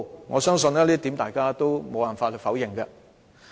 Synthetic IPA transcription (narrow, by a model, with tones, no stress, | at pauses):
ŋɔː˨˧sœː˥ŋsɵ˧nlɛː˥liː˥t̪i˨˥mt̪aː˨˩jkaː˥t̪o˥wmo˨˧waː˨˩nfaː˧t̚hɵ˨˧jfɐ˨˥wjɪ˨˩ŋkɐ˧